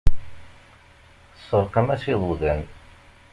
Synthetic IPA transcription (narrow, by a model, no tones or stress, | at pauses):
əsˤːəɾqəmæsiðˤuðæn